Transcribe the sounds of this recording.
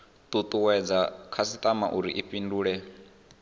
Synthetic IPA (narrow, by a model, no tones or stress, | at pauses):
t̪ʼut̪ʼuwɛd͡zakʰasit̪ʼamaʔuɾḭʔipʼinduːɺɛ